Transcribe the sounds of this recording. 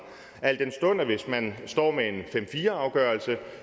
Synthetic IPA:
æl̰d̥ensd̥ɔ̽n̰əʋe̝smænsd̥ɒ̰ːmeenfem̰fiːɐɑ̈ʊɡ̥ɶɐlsə

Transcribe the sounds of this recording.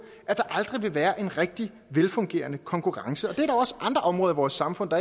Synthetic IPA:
ʔæd̥ɑ̈ʔɑ̈ld̥ʁiʋe̝ʋæːɐʔe̝nʁɛɡ̥̚d̥i | ʋelfɔ̽ŋɡ̥e̝̰ːɐnəkʰɒ̽ŋkʰuʁɑ̈ŋsəɒ̽d̥e̝æɐɾ̥ɑʊɒ̽sʔɑ̈nd̥ʁɐʔɒ̽mʁɔ̽ːðˠiʋɒːsːɑ̈mfɔ̽n̰d̥ɑ

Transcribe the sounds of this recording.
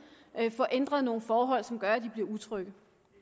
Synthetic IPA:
fɒʔen̰d̥ʁɐðˠno̝ːn̩fɒːɦɒ̽l̰sɒ̽mɡ̥ɶɐæd̥ib̥liɐut͡sʰʁœɡ̥ð

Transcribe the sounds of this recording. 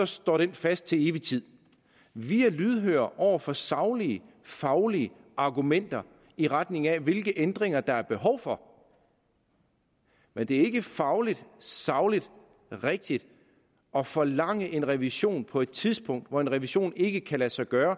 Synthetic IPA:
sɒ̽sd̥ɒ̰ːɾ̥enfæsd̥̚t͡sʰe̝e̝ːʋit͡sʰið̰ˠ | ʋiælyðˠɦø̰ːɐʔɒʊ̰ɐfɒsɑ̈ʊliə | fɑ̈ʊliəʔɑ̈ɡ̥umen̰d̥ɐ | iʁad̥ne̝ŋæʋe̝lɡ̥əʔend̥ʁeŋ̰ɐd̥ɑ̈æɐb̥e̝ɦɒ̽ʊ̰fɒ̽ | mend̥e̝æɐe̝ɡ̥əfɑ̈ʊlid̥sɑ̈ʊlid̥ | ʁeɡ̥̚d̥id̥ | ɒ̽fɒ̽lɑ̈ŋ̰əʔe̝nʁɛʋiɕo̝̰ːnpʰɒ̽e̝d̥t͡sʰiðˠsb̥ʰɔ̽ŋ̰d̥ʋɒenʁɛʋiɕo̝̰ːne̝ɡ̥əkʰælæsɑ̈ɪɡ̥ɶːɐ

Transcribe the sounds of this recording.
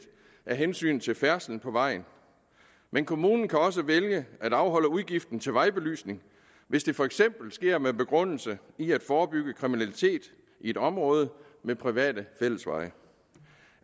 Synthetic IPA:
ʔæɐɦensy̰ːnt͡sʰe̝lfæɐsln̩pʰɒ̽ʋɑ̈ɪ̰n̩ | menkʰo̝muːnn̩kʰæɒ̽s̬əʋeljəʔæd̥ɑ̈ʊɦɒ̽l̰əuðˠɡ̥ifd̥n̩t͡sʰe̝lʋɑ̈ɪb̥e̝ly̰ːsne̝ŋ | ʋe̝sd̥e̝fɒ̽eɡ̥sem̰b̥l̩sɡ̥e̝ɐ̰meb̥e̝ɡ̥ʁɔ̽n̰l̩sə | iæd̥fɒːb̥yɡ̥əkʰʁiminælit͡sʰe̝̰ːd̥ | ʔie̝d̥ɒ̽mʁɔ̽ːð̞ˠə | mepʰʁiʋɛ̰ːd̥əfel̰əsʋɑ̈ɪ

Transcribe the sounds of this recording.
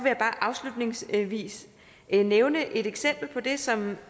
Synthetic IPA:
ʋe̝jäb̥ɑ̈ːʔɑ̈ʊslud̥ne̝ŋsʋḭːs | neʊnəʔe̝d̥eɡ̥sem̰b̥l̩pʰɒ̽d̥e̝sɒ̽m

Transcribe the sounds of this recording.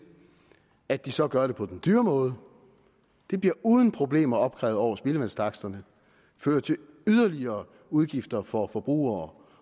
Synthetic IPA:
æd̥isɒ̽ɡ̥ɶɐɾ̥e̝pʰɒ̽d̥end̥yːɐmɔ̽ːð̞ˠ | d̥e̝b̥liɐuːð̞ˠən̩pʰʁo̝b̥le̝̰ːmɐɒ̽b̥̚kʰʁɛ̰ʊð̩ˠɒʊ̰ɐsb̥e̝ləʋænstʰɑ̈ɡ̥sd̥ɐnə | føːɐt͡sʰe̝ | yð̞ˠɐliɐː | uð̞ˠɡ̥ifd̥ɐfɒ̽fɒ̽b̥ʁṵːɐ

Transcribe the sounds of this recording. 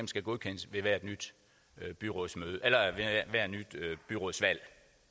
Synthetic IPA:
emsɡ̥æɡ̥o̝ðˠkʰen̰əsʋe̝ʋæɐd̥nyd̥ | b̥yʁɔ̰ːsmøːðˠəʔelɐʋeʋæɐ̰d̥nyd̥b̥yʁo̝ðˠsʋæl̰

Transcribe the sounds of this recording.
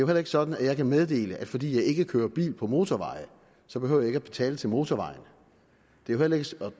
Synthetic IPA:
d̥ejoɦelɐe̝ɡ̥əsɒ̽d̥n̩æ̥jɑ̈ɪkʰæmeð̞ˠd̥e̝̰ːləʔæd̥fɒ̽d̥ḭːjɑ̈ɪe̝ɡ̥əkʰøːɐb̥ḭːlpʰɒ̽mo̝ːt͡sʰɒʋɑ̈ɪ̰ə | sɒ̽b̥e̝hø̰ʊ̰je̝ɡ̥æb̥e̝t͡sʰɛ̰ːlət͡sʰe̝lmo̝ːt͡sʰɒʋɑ̈ɪn | d̥e̝johel̰ɐe̝ɡ̥əɒ

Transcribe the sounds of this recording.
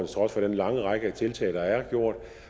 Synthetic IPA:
nt͡sʰʁɒ̽sfɒ̽ɾ̥enlɑ̈ŋəʁɑ̈ɡ̥əæt͡sʰe̝lt͡sʰɛ̰ːɪd̥ɑ̈æɐɡ̥jo̝ɐ̰d̥

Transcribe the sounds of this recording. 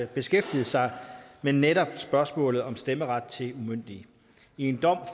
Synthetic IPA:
b̥e̝sɡ̥efd̥ið̞̩ˠsɑ̈ɪmenːeɾɒ̽b̥sb̥ɶɐsmɔ̰̽ːlð̩ˠɒ̽msd̥eməʁɑ̈d̥̚t͡sʰe̝lumøn̰d̥i | ie̝nd̥ɒ̽m̰

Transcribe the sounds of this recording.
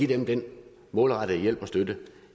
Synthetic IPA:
id̥emd̥en | mɔ̽ːlʁɑ̈d̥əjel̰b̥ɒ̽sd̥ødə

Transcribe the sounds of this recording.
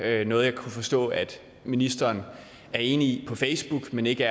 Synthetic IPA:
ønɔ̽ːðˠjɑɪkʰufɒ̽sd̥ɔ̰̽ːæd̥ | minisd̥ɐːn | æɐe̝ːniipʰɒ̽feɪsb̥uɡ̥mene̝ɡ̥əæ

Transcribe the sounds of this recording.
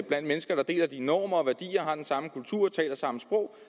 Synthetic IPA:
b̥læn̰d̥̚menəsɡ̥ɐɾ̥ɑ̈d̥e̝̰ːlæd̥inɒːmɐɒʋæɐd̥ḭːɐɦɑ̈d̥ensɑ̈məkʰult͡sʰuɐ̰ɒt͡sʰɛ̰ːlɐsɑ̈məsb̥ʁɔʊ̰

